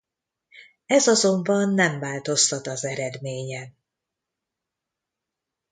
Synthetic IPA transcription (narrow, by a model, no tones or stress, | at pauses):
ɛzɒzo̞mbɒnːɛɱvaːlt̪o̞st̪ɒt̪ɒzɛɾɛd̪meːɲɛn